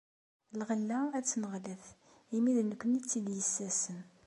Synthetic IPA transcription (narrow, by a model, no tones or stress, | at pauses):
lʁəlːææt͡sːnəʁləθ | imiðnəkʷːənit͡sːid̪jəsːæsən